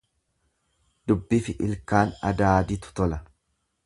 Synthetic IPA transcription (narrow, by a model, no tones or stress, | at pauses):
d̪ʊbːɪfɪʔɪlkaːnɐ̰d̪aːd̪ɪt̪ʊ̥t̪ɔlɐ